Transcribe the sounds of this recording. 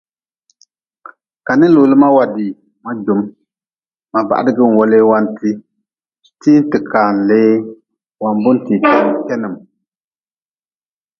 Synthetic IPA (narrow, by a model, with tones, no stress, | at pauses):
ka˨nɨ˦lo˨lɨ˦ma˦wa˨di˨ | ma˦d͡ʒʊ˨m | ma˨ba̰˨ʔa̰˨dɨ˦ɡɨ˦n̩˨wɔ˦leː˦wa˦nti˦ | tiː˦n˦tɨ˨kaː˨n˨le˦ | wa˨nbʊ˦nti˨ti˦˨˦kɛ˦nɨ˨m